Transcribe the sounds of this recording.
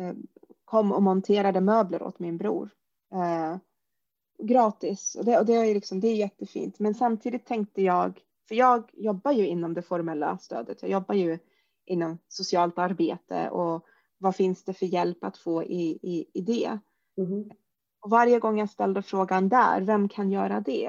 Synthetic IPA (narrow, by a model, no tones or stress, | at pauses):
kʰɔmːɔ̰mɔnt̪ʰeːɾad̪əmøːbləɾɔ̰t̪mɪnbɾṵːɾ | ɡɾɑːt̪ɪsɔ̰d̪ɛɔd̪ɛajlɪksɔmd̪ɛæjɛt̪ːəfḭːnt̪mɛnsamt̪ʰiːd̪ɪt̪ʰːɛŋk̚t̪əjɑːɡ | fœɾjɑːɡjɔbːajɵɪnːɔmd̪ɛfɔɾmɛlːa̰st̪ø̰ːd̪ət̪ʰjɑːɡjɔbːajɵ | ʔɪnːɔmsʊsɪɑːlt̪aɾbeːt̪ʰə̰ʔɔ | vafɪnsd̪̥ɛfœɾjɛlpat̪foːʔɪɪɪd̪ɛ | ɔvaɾjəɡɔŋːjast̪ɛld̪əfɾoːɡand̪æ̰ɾvɛmkʰanjœːɾad̪ɛ